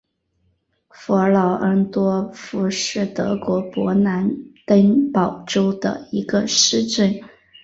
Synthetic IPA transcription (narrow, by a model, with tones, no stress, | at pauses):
fɔ˧˥lɑ˨˩ʊʔə˧˥nt̪wɔ˥fu˧˥ʂɻ̩˥˩t̪ɤ̰˧˥kwɔ˧˥pwɔ˧˥na˧˥nt̪ə˥npɑ˨˩ʊʈ͡ʂo˥ʊd̪ə̰˨i˧˥ɡə˧ʂɻ̩˥ʈ͡ʂə˥˩n